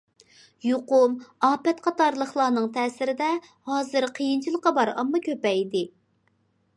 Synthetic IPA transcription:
joqʊmɑːpɛt̪qʰɑt̪ɑɾlˠəχlˠɑːnɨŋt̪ʰɛːsɪɾɪd̪ɛhɑːzɨɾqʰəjint͡ʃʰilˠəqːɑbɑɾɑ̰mːɑkʲʰøpɛjd̪ɪ

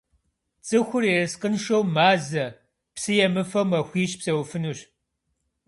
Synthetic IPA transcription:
t͡sʼɨxʷʊrerɨsqənʃowmaːzɐ | psɨjɛmɨfɐwmɐxʷiːɕpsɐwfɨnuːɕ

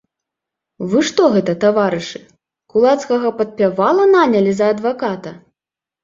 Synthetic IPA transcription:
vɨʂt̪ɔɣɛt̪ɐt̪avaɾɨʂɨ̥ | kulˠat̪skɐɣɐpɐt̪̚pʲavalˠɐnanʲɐlʲizɐːd̪vakat̪ɐ

